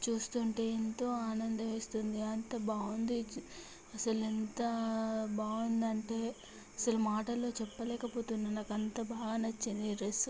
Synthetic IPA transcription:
t͡ʃuːst̪uɳʈe̞ːint̪o̞ːaːnɐnd̪ɐʋeːst̪und̪iɐnt̪ɐbaːund̪i | ɐsɐlent̪ɐbaːund̪ɐɳʈe̞ː | ɐsɐlumaːʈɐlo̞ːt͡ʃɛpːɐlɛːkɐpo̞ːt̪unːɐnɐkɐnt̪ɐbaːɡaːnɐt͡ʃːind̪iɾes

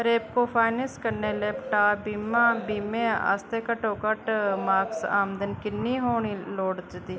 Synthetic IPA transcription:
ɾeːpkoːpʰaːɪnəskəɾneːleːpʈaːbiːmãːbiːmẽːa̰ːst̪eːkəʈoːkəʈmaːksaːmd̪ənkɪnːiːɦoːɳiːloːɽd͡ʒd̪iː

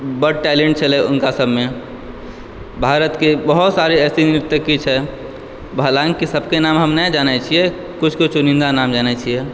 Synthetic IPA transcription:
bəɽʈɛlẽɳʈ̚t͡ʃʰəlɛʊnkasəbme | bʱaːɾət̪kebəɦut̪saɾeɛːsinɾɪt̪ːəkːit͡ʃʰɛ | bʱalãŋkisəbʱkenamɦəmnɛd͡ʒanɛt͡ʃʰiɛ | kʊt͡ʃʰkot͡ʃʰunɪ̃nd̪anamd͡ʒaːnɛt͡ʃʰiɛ

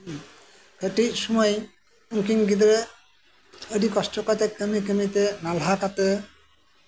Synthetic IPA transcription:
kəʈiʃumɔj | uŋkiŋɡid̪ɾe | əɖikɔsʈɔkat̪ekəmikəmit̪enalɦakat̪e

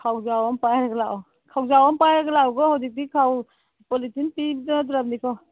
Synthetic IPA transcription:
kʰawzawampajɾɡla | kʰawzawampajɾɡlawɡɔhawdik̚dikʰaw | pɔlitinpibdɔt̬ɾap̚nikʰɔ

